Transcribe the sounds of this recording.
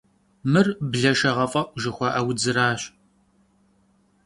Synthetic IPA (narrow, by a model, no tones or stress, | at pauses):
mɨrbɮɐʃɐʁɐfʼɐʒɨxʷɐʔɐwd͡zɨɾaːɕ